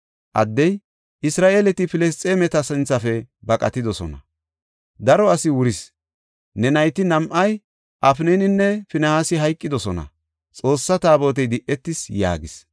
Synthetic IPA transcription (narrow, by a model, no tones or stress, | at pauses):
ʔɐ̰d̪ːɛj | ʔɪsɾaːʔeːlɛt̪ɪfɪlɛs̬t͡sʼemɛt̪ɐsɛnt͡sːɐfɛbɐkʼɐt̪ɪd̪ɔsɔnɐ̰ | d̪ɐɾɔɐsɪwʊɾɪs | nɛnɐjt̪ɪnɐmʔɐj | ʔɐfnenɪnːɛfɪnɐhaːsɪɦɐjkʼːɪd̪ɔsɔnɐ̰ | t͡sʼo̞ːsːɐt̪aːbo̞ːt̪̬ɛjd̪ɪʔːɛt̪ːɪsja̰ːɡɪs